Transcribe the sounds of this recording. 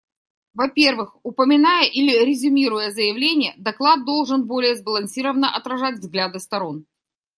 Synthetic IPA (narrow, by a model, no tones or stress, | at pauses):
vɐpʲe̞rvɨxʊpəmʲɪnajəʔilʲɪɾʲɪzʲʊmʲiɾʊjəzəjɪvlʲenʲɪjəd̪ɐklˠad̪̚d̪o̞lˠʐɨnbo̞lʲɪjəzbəlˠɐnsʲiɾəvənəʔɐt̪ɾɐʐatʲvzɡlʲad̪ɨst̪ɐɾo̞n